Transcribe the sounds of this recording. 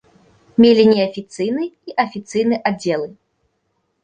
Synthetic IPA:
mʲelʲinʲɛɐfʲit̪sɨjnɨiʔɐfʲit̪sɨjnɨʔad͡zʲːɛlˠɨ

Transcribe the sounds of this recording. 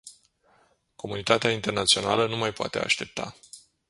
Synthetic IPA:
ko̞munit̪at̪eaint̪e̞rnat̪sio̞na̰lənumajpoa̰t̪e̞a̰ʃt̪e̞p̚t̪a̰

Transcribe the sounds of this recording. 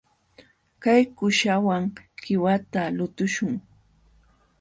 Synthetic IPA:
kajkʊʃawaŋkɪwat̪alʊt̪ʊʃʊŋ

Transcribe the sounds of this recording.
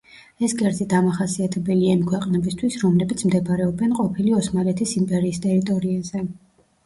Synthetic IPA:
ɛsɡɛɾt̪ʰid̪amaχasiat̪ʰɛbɛliaimkʰwɛqʼnɛbist̪ʰwisɾɔmlɛbit̪sʰmd̪ɛbaɾɛɔbɛnqʼɔpʰiliɔsmaɾɛt̪ʰisimpʼɛɾiːst̪ʼɛɾit̪ʼɔɾiazɛ

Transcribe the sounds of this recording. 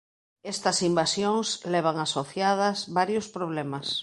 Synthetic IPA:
est̪ɐsimbasjoŋsleβ̞aŋasoθjað̞ɐzβaɾjospɾoβlemas

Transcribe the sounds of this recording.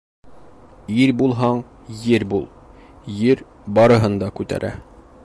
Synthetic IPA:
iɾbulˠɦɑɴ | jɘɾbulˠ | jɘɾ | bɒɾɤ̆ɦɤnd̪ɑkʉt̪æ̰ɾʔæ̰

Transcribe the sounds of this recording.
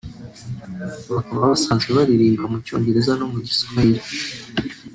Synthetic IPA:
βakaβaβasaːnzɡeβaɾiɾiːmɡamuco̞̰ːɲɟe̞ɾe̞zanomuɟi̥skaiɾe

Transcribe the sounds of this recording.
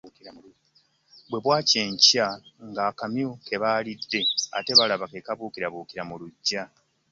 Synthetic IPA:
bwe̞βwaːce̞ːɲcaŋɡaːkamjokʰe̞βaːlidːe̞a̰te̞βalaβake̞kaβuːkiɾaβuːkiɾamuluɟːa

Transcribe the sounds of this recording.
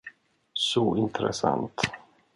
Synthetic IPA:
sɔɪnt̪ɾɛsa̰nt̪

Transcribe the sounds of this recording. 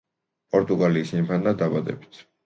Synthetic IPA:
pʼɔɾt̪ʼuɡaliːsinpʰanːad̪abad̪ɛ̰bi̥t̪ʰ

